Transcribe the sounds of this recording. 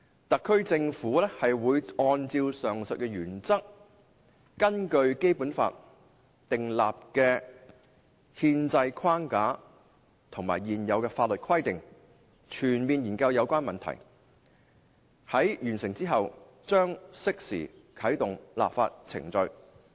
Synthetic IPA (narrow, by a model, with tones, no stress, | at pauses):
t̪ɐ˨kʰːɵ˥ɥt͡sɪ˧ŋfuː˨˥lɛː˥hɐ˨jwuː˨˧jɔː˧nt͡siː˧wsœː˨˩ŋsɵ˨t̚kɛ˧jyː˨˩nt͡sɐ˥k̚ː | ɐ˥nkɵ˧ɥke˥jpuː˨˥nfa̰ː˧t̚ | t̪ɪ˨ŋla̰ː˨p̚kɛː˧ | hiː˧nt͡sɐ˧jkʰwaː˥nkaː˨˥ | t̪ʰʊ˨˩ŋmaː˨˩jjiː˨njɐ˨˧wkɛː˧faː˧t̚lɵ˨t̚kʰɐ˥jt̪ɪ˨ŋ | t͡ʃʰyː˨˩nmiː˨njiː˨˩nkɐ˧wjɐ˨˧wkʷaː˥nmɐ˨nt̪ʰɐ̰˨˩j | hɐ˨˥jjyː˨˩nsɪ˨˩ŋt͡siː˥ɦɐ˨w | t͡ʃœː˥ŋsɪ˥k̚sḭː˨˩kʰɐ˨˥jt̪ʊ˨ŋla̰ː˨p̚fa̰ː˧t̚t͡sʰɪ̰˨˩ŋt͡sɵ˧ɥ